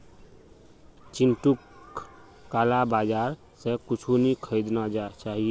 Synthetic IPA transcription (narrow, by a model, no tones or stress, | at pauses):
t͡ʃinʈukː | alabad͡ʒaɾ | sekut͡ʃʰunikʰəɪd̪nad͡ʒat͡ʃaɦie